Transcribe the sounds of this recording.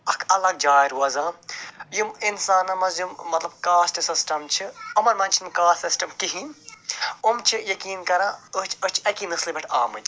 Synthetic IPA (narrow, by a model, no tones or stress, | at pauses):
ɐkʰɐlɐɡ̚d͡ʒaːɾuɐzaːjuminsaːnɐmɐzjumːɐt̪lɐb̚kaːsʈɨsisʈɐmt͡ʃʰiɐmɐɾmɐnt͡ʃʰinmkaːɾsisʈɐmkiɦin | umt͡ʃʰijɐkiːnkɐɾãːəɦt͡ʃʰɐt͡ʃʰɐkimɨslibɐʈʰa̰ːmɨn